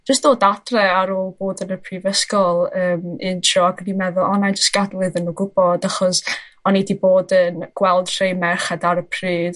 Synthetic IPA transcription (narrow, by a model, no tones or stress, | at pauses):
d͡ʒəstd̥oːdadrɛaɾoːlˠboːdənəpʰriːvəskɔlˠəːmɪntʰrɔɡənimɛðʊɔnajnd͡ʒəstɡ̥adlˠɨðənuːɡʊbɔdaχɔs | ɔnediboːdənɡ̥wɛlˠd̥r̥ejmɛrχadaɾəpʰriːð̥